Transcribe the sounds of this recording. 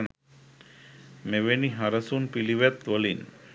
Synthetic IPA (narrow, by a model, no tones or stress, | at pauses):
meʋeniɦɐɾɐsunpiliʋɛt̪ʋɐlin